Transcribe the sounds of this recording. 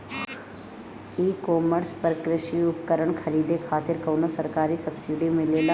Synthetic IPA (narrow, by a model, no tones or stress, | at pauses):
iːkɔːməɾspəɾkɾɪʃiʊp̚kəɾəɳkʰɐɾiːd̪ekʰaːt̪ɪɾkɐːnosɐɾkaːɾisɐbsiɖimẽleːla